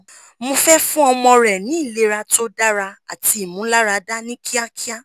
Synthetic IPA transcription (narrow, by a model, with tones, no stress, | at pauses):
mo˧fɛ˦fũ˦ɔ˧mɔ̃˧ɾɛ˨nĩ˨˦i˦˨le˨˦ɾa˧to˦da˦ɾa˧a̰˨ti˧˦i˨mũ˨˦la˦ɾa˧˨da˦nĩ˦kʰi˦a˦kʰi˦a˦